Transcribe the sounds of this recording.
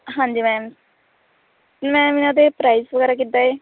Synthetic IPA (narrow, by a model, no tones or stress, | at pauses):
ɦãːnd͡ʒiːmɛ̃ːm | mɛ̃ːɪnãːd̪eːpɾaːisʋəɡɛːɾaːk̬it̪ːaːeː